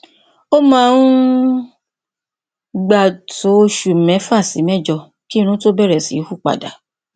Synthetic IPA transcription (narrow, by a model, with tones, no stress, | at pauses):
o˦mã˦˧ũ˦ | ɡ͡ba˨to˨˦o˧ʃu˨mɛ̃˨˦fa˦˨si˨˦mɛ̃˦˨d͡ʒɔ˧ | ki˦˧ɾũ˨˦to˦bɛ˦ɾɛ˨sḭ˨˦hu˦˨k͡pa̰˨da̰˨˦